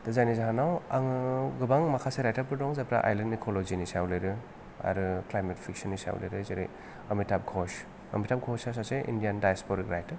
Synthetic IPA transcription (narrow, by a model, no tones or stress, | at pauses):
d̥ɯzajnizaɦanawaŋɯɡɯbaŋmakʰaseɾajtaɾpɯɾdɔŋzapɾa̰ʔa̰jlɐnikʰolozinisawlɯɾɯ | a̰ɾɯklajmetpʰiksɔnːisa̰w̰lḛɾɯzeɾḭ | ɐmitap̚kʰɔs | ɐ̰mitʰap̚ɡʰɔsasaseʔḭndijandajaspɔɾikɾajtɐɾ